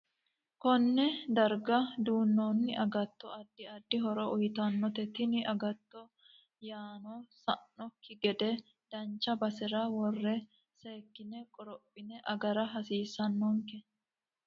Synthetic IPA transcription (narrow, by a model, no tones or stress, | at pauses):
kɔnːɛd̪ɐɾɡɐd̪uːnːoːnːɪʔɐɡɐt̪ːɔɐd̪ːɪɐd̪ːɪɦɔɾɔʊjt̪ɐnːɔt̪ɛt̪ɪnɪʔɐɡɐt̪ːɔ | jaːnosɐnːɔkːɪɡɛd̪ɛ | d̪̥ɐnt͡ʃːɐbɐsɛɾawɔrːɛ | seːkːɪnɛkʼɔɾɔpʼːɪnɛʔɐɡɐɾɐɦɐsiːsɐnːɔŋkɛ